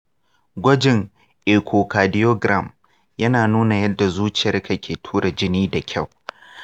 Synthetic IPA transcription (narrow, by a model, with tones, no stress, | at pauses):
ɡʷɐ˦d͡ʒɪ˨ŋ | ʔeː˨kʷʰo˨kaː˨dɪ˦jo˦ɡɾa˦˨m | jɐ˦naː˨nuː˦na˨jɐ˦dːa˨zuː˦t͡ʃɪ˨jɐ˦rka˨kʲʰeː˨tʰuː˦ɽa˨d͡ʒɪ˦niː˦da˨kʲʰa˦˨w